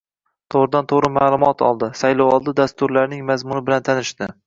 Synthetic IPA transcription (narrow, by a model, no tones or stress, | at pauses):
t̪ʰoʁɾɪd̪ant̪ʰoʁɾɪmaːlˠʊmɒt̪ʰɒ̰lˠd̪ɪsajlˠɒwɒlˠd̪ɪd̪ast̪ʊɾlaɾnɪŋmazmʊnɪbɪlant̪ʰanɪʃt̪ɪ